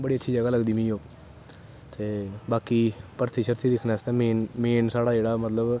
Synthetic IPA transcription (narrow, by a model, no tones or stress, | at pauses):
bəɽiːətːʃʰiːd͡ʒəɡaːləɡd̪iːmĩːoː | t̪eːbaːkiːpəɾt̪ʰiːʃəɾt̪iːd̪ɪkʰnaːst̪ãːmeːnmeːnsaːɽaːd͡ʒeːɽaːmət̪ləb